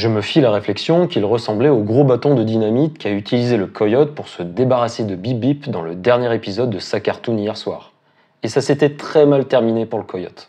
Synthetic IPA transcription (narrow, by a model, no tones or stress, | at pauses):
ʒəməfilaʁeflɛksjɔ̃kʲilʁəsɑ̃blɛoɡʁobat̪ɔ̃d̪əd̪inamit̪kʲiayt̪ʰilizeləkʰɔjɔt̪̚puʁsəd̪ebaʁased̪əbibipd̪ɑ̃ləd̪ɛʁnjɛʁepizɔd̪ːəsakaʁt̪unijɛʁswa̰ːʁ | esaset̪ɛt̪χɛmalt̪ɛʁminepuʁləkʰɔjɔ̰t̪